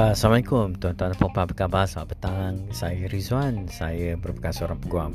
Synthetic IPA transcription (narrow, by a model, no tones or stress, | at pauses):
samaikʊmt̪uant̪uanpɔŋpabəkabasmaʔbət̪aŋaŋsajəɾizwansajəbəɾupəkansəoɾaŋpəɡuam